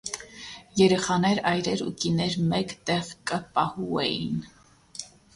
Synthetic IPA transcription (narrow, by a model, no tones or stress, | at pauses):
jɛɾɛχɑnɛɾɑjɾɛɾṵt̪inɛɾmɛkt̪ɛʁkəpɑhuɛ̰jḭn